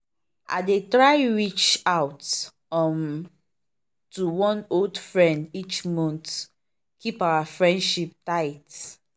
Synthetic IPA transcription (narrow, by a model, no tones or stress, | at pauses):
ʔa̰detɹaɪɹit͡ʃawt | ɔm | tuwɔ̃noldfɹɛ̃ndit͡ʃmɔ̃nt | kipawafɹɛ̃ndʃip̚taɪt